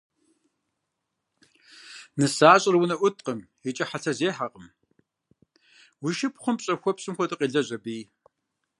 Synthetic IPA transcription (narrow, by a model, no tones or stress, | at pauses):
nɨsaːɕʼɪrwʊnɐʔʷʊt̚ʰʼqəm | ɛt͡ʃʼɐħat͡sʰɐzeːħaqʼəm | wiʃɪpχʷʊmpɕʼɐxʷɔpsʼɨmxʷɔtʼɨqʼiːɮɐʑɐbiː